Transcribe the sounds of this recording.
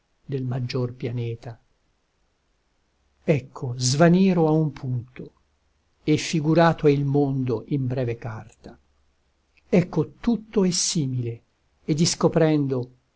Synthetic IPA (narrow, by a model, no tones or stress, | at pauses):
d̪elmad͡ʒːorpjanɛːt̪a | ɛkʰːozvaniːɾoaumpʰunt̪o | efːiɡuɾaːt̪oɛilmond̪oʔimbɾɛːvekart̪a | ɛkːot̪ut̪ːoesːiːmile | ed̪iskopɾɛnd̪o